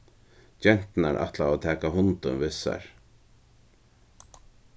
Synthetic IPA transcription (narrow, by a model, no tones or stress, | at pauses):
d͡ʒɛn̥t̪naɾʔa̰ht̪laat̪ʰɛːkaɦʊnt̪ʊnvɪsa̰ɹ